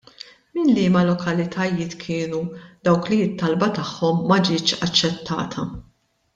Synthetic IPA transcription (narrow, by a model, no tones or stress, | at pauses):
mɪnlɪːmɐlɔkʰɐlɪt̪ʰɐjɪːt̪kʰɪːnud̪̥ɐwklijɪt̪ːɐlbɐt̪ɐħːɔmːɐd͡ʒɪːt͡ʃɐt͡ʃːɛt̪ːɐ̰ːt̪ʰɐ